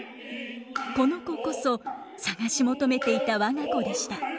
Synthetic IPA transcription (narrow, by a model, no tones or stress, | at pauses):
ko̞no̞ko̞ko̞so̞ | saɡaɕimo̞t̪o̞me̞t̪e̞it̪aβaŋako̞d̪e̞ɕi̥t̪a